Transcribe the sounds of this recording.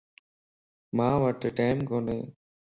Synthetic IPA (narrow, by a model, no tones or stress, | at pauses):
mãːʋəʈːʈaːɪmkoːnḛː